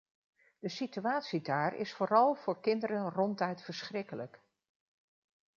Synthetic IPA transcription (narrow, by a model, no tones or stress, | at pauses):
d̥əsityaːtsidaːɹɪ̰sfʊːɾɑlˠv̥ʊːɹkɪndəɾənrɔntɛɥtfəɹsχrɪkələk